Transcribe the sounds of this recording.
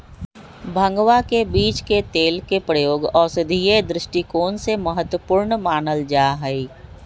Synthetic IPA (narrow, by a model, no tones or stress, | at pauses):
bʱə̃ŋɡwakebiːt͡ʃket̪eːlkepɾəjoːɡɔːɾsɪd̪ʱijed̪ɾɪʃʈikoːnseməɦət̪wəpuːɾɳnmaːnəld͡ʒaːɦəi